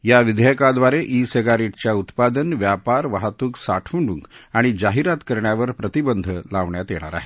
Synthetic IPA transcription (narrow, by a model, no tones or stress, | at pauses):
jaʋid̪ʱjəkad̪ʋaɾeʔiseɡaɾiʈt͡ɕjaut̪pad̪ənʋjapaɾʋaɦat̪uːksaʈʰuɳɖṵŋkaɽ̃id͡ʑaɦiɾat̪kəɾɳjaʋəɾpɾət̪ibənd̪ʱəlaʋɳjat̪jeɽ̃a̰ɾa̰ɦe